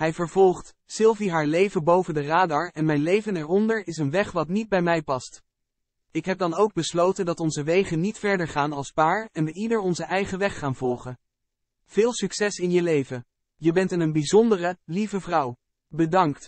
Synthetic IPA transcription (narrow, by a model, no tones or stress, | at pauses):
ɦɛjvəɹv̥ɔlˠχt | sɪlˠviɦaːɹlejvənbowvəndəraːdɑɹɛnmɛjnlejvənɛɹɔndəɹɪsənʋɛχʋɑtnid̚bɛjmɛjpɑst | ɪkɦɛp̚dɑnowɡ̚bəslowtəndɑtɔnzəʋejχənitfɛɹdəɹχaːnɑlˠspaːɹɛnʋəidəɹɔnzəʔɛjχəʋɛχːaːnvɔlˠχən | v̥ɪːlˠsyksɛsɪnjəlejvən | jəbɛntənənbizɔndərəlivəvrʌw | bədɑŋkt